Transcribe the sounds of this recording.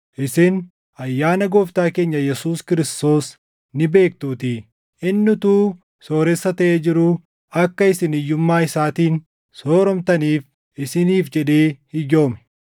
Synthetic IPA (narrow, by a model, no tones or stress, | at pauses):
ʔɪsɪn | ɐjːaːnɐɡoːft̪aːke̞ːɲːɐjɛsuːskɪɾɪst̪o̞ːs | nɪbe̞ːkt̪uːt̪ɪ | ʔɪnːʊt̪uː | so̞ːɾɛsːɐt̪ɐʔeːd͡ʒɪɾʊ | ɐkːɐɪsɪnɪjːʊmːaːɪsaːt̪iːn | so̞ːɾɔmt̪ɐniːf | ɪsɪniːfd͡ʒɛᶑe̞ːhɪjo̞ːmɛ̥